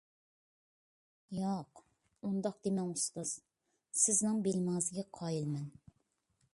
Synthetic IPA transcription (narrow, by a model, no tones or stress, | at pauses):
jɑq | und̪ɑq̚d̪emɛŋusʁəz̥ | sɪznɨŋbelmɑzɨɡʲɛqʰɑjilˠmɛn